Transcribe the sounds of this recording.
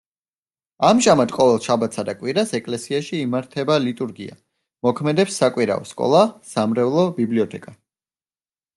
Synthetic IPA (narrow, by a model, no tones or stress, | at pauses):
amʒamad̪qʼɔvɛlˠʃabat̪sʰad̪akʼwiɾasɛkʼlɛsiaʃiːmaɾt̪ʰɛbalit̪ʼuɾɡia̰ | mɔkʰmɛd̪ɛpsːakʼwiɾa̰ɔskʼɔ̰lˠasamɾɛvlˠɔbibliɔt̪ʰɛkʼa